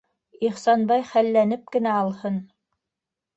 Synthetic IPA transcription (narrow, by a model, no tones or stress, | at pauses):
iχsɑnbɑjχælːænɘp̚kɘ̆næɑlˠhɤn